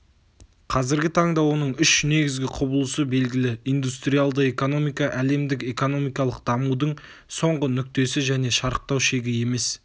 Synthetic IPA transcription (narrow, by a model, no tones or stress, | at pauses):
qʰɑzɪɾɡʲɪt̪ʰɑɴd̪ɑwo̞nəɴʏʃne̞ɡʲɪzɡʲɪqʰʊbəlˠəsəbe̞lɡʲɪlɪijnd̪ust̪ɾijalˠd̪əe̞ko̞no̞mijkɑʔæle̞md̪ɪke̞ko̞no̞mijkɑlˠəq̚d̪̥ɑmud̪əɴ | so̞ɴʁənʏk̚t̪e̞sɪʒæne̞ʃɑɾəq̚t̪ɑwʃe̞ɡʲɪje̞me̞s